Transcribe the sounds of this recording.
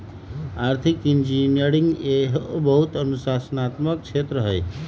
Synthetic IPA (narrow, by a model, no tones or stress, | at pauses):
aɾt̪ʰikind͡ʒinjəɾiŋɡeɦobʌɦut̪ənusasənat̪mək̚t͡ʃʰet̪ɾəɦəj